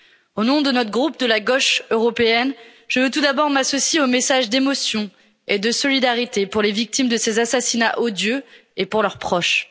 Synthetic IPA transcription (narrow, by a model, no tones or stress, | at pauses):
onɔ̃d̪ənɔt̪χɡʁup̚d̪əlaɡɔʃøʁɔpeɛnʒ̥əvøt̪ud̪abɔʁmasɔsjeomesaʒd̪emɔsjɔ̃ | ed̪əsɔlid̪aʁit̪epuʁlevik̚t̪imd̪əsezasasinaʔod̪jøepuʁlœʁpχɔʃ